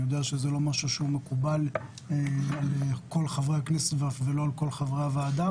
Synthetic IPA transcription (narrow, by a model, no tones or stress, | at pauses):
jod̪eaʃezelo̞maʃuʃeume̞kubal | eleko̞lχavʁeaknesetveafveloalko̞lχavʁaveaːd̪a